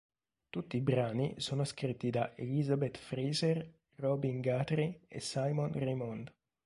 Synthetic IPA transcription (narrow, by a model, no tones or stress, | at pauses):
t̪ut̪ːiːbɾaːnḭsoːnoskɾit̪ːid̪aʔelizabet̪fɾiːzer | rɔbiŋɡaːt̪ɾiḛsajmonrimɔnd̪